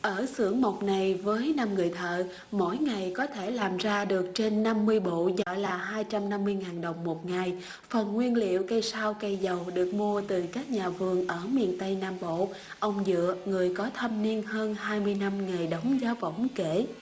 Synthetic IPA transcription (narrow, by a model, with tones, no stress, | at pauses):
ʔəː˧˩sɨ̰˧˩əŋmo˨˩t̚na˨˩jvəː˨˦jnaː˧mŋɨ˨˩əjt̪ʰə̰ː˧˨ | mo̰˧˥jŋa˨˩jkɔ˨˦t̪ʰe˧˩laː˨˩mzaː˧ɗɨ˨˩ək̚t͡ɕe˧nːa˧mːɨ˧əjɓo̰˧˨zɔ̰˧˨laː˨˩ɦaː˧jt͡ɕa˧mna˧mːɨ˧əjŋaː˨˩nɗə˨˩wŋ͡mmo˨˩t̚ŋa˨˩j | fə˨˩nŋwi˧ənlḭ˧˨əwkə˧jsaː˧wkə˧jzə˨˩wɗɨ˨˩ək̚mu˧ət̪ɨ˨˩kaː˦˥k̚ɲaː˨˩vɨ˨˩əŋʔəː˧˩mḭ˧˨ənt̪ə˧jnaː˧mɓo̰˧˨ | ʔə˧wŋ͡mzɨ̰˧˨əŋɨ˨˩əjkɔ˨˦t̪ʰə˧mni˧ənhəː˧nhaː˧jmɨ˧əjna˧mŋa˨˩jɗə˨˦wŋ͡mzaː˨˦wvə̰˧˩˨wŋ͡mke˧˩